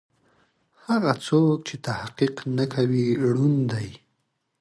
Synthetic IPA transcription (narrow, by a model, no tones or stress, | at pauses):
haɣat͡sok̚t͡ʃet̪ahqiqnakʰawiɽund̪aj